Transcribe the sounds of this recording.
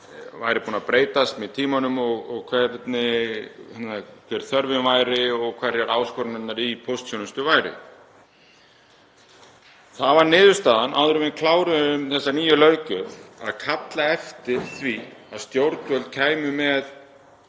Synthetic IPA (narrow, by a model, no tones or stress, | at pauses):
va̰jɾɪpuːnapɾeːjt̪ast̪mɛðt̪ʰiːmanʏmɔɣɔɣkʰvɛɾt̪nɪhɛnakʰvɛɾθœɾvɪnvaːjɾɪɔɣkʰvɛɾɛɾaːwskɔɾnɛt̪naɾipʰowst̪sjɔːnʏst̪ʏvaːjɾɪ̰ | θaðvaɾnɪːðʏɾst̪aːðanʔa̰wðʏɾʏvɪnkʰlaːwɾʏʏmθɛsːaniːjʏlœɥcʏɾa̰ðkʰat̪laɛft̪ɪɾ̥θviaðst̪jowɾt̪vœlt̪̚kʰaːjmʏmɛð